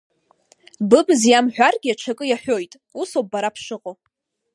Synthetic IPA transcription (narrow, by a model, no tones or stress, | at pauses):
bɨbɨzjamħʷᶣarɡʲɪaʈ͡ʂʰakʼɨjaħʷᶣo̞jtʼ | usob̚baɾapʰʂɨqʼo